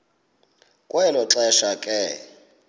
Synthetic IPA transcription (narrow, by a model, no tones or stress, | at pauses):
kʼwɛnɔǁɛʃakʼɛ